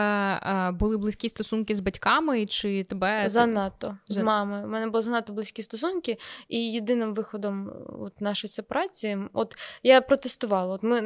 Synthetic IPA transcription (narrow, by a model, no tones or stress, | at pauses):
bʊlˠɪblˠɪsʲkʲist̪ɔsunkɪzbɐtʲkɑmɪt͡ʃɪt̪ebɛzɐnɑt̪ɔzmɑmɪjʊmɛnɛbʊlˠɔzɐnɑt̪ɔblˠɪsʲkʲist̪ɔsunkʲɪijed̪ɪnɪmʋɪxɔd̪ɔmɔ̰t̪nɑʃɔjisʲɐpɾɑt͡sʲiɔt̪japɾɔt̪est̪ʊʋɑlˠɐɔt̪mɪ